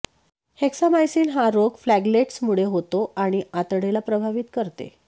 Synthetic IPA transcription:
heksamajsiːnɦaɾoɡflæɡleʈsmuɭeɦot̪oaɽ̃iat̪ɽelapɾəbʱaʋit̪kəɾt̪ḛ

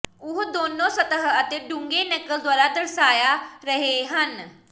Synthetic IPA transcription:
uɦd̪onːosət̪əɦəət̪eɖuŋɡenəkəd̪ʋaɾat̪əɾsaːjaɾəɦeɦən

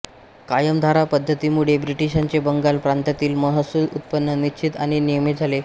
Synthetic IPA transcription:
kajəmd̪ʱaɾapəd̪ʱːət̪imuɭ̤ebɾiʈiɕaɲt͡ɕebəŋɡalpɾant̪at̪iːlməɦəsulut̪̚pənːənit͡ɕʰit̪a̰ɽ̃inijmit̪d͡zʱale

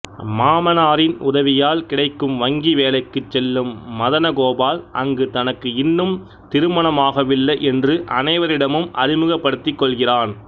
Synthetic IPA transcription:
maːmɐnaːɾɪnʊðɐʋɪjaːlkɪɽɐɪkːɯmʋɐŋɡiʋeːlɐɪkːɯt͡ʃːɛlːɯmːɐðɐnɐɣoːbaːlʔɐŋɡɯt̪ɐnɐkːɯɪnːɯm | t̪ɪɾɯmɐnɐmaːɣɐʋɪlːɐʔɛndrɯʔɐnɐɪʋɐɾɪɽɐmɯmʔɐ̰ɾɪmɯɣɐpːɐɽɯt̪ːɪkːɔɭɣɪraːn

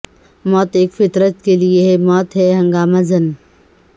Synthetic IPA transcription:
mɔːt̪eːkfɪt̪ɾət̪̚kelieɦɛmɔːt̪ɦɛɦɐ̃ŋɡaːmazɐn

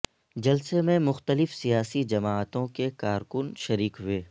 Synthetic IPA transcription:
d͡ʒɐlsemẽmʊxt̪əlɪfsijaːsid͡ʒɐmaːət̪õkekaːɾkʊnʃɐɾiːkɦʊeː

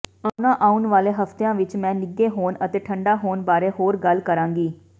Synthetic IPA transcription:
aːʊnãːʔaːʊnʋaːleːɦəft̪ejãːʋɪt͡ʃmɛ̃ːnɪɡeːɦoːnət̪eːʈʰəɳɖaːɦoːnbaːɾeːɦoːɾɡəlkəɾãːŋɡiː

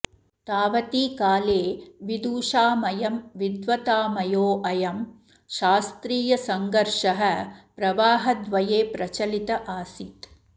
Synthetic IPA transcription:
t̪aːʋɐt̪iːkaːleːʋid̪uːʃaːmɐjɐmʋid̪ʋɐt̪aːmɐjoːʔɐjɐm | ʃaːst̪ɾiːjɐsɐŋɡɐɾʂɐɦɐpɾɐʋaːɦɐd̪ʋɐjeːpɾɐt͡ʃɐlit̪ɐʔaːsit̪

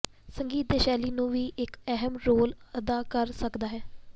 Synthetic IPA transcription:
səŋɡiːt̪̚d̪eːʃɛːliːnũːʋiːʔɪkɛɦəmɾoːləd̪aːkəɾsəkd̪aːɦɛː

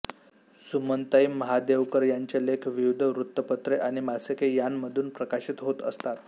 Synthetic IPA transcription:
sumənt̪əimːəɦad̪eʋkəɾjaɲt͡ɕelekʰʋiʋd̪ʱəʋɾut̪ːəpət̪ɾeʔaɽ̃imasəkejanməd̪ʱuːnpɾəkaɕit̪ɦot̪ə̰st̪at̪

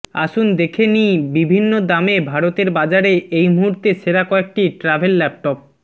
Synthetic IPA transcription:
a̰ʃund̪ekʰenijbibʱinːod̪amebʱaɾot̪eɾbad͡ʑaɾeejmuɦuɾt̪eʃeɾakɔek̚ʈiʈɾabʱelːɛp̚ʈɔp̚

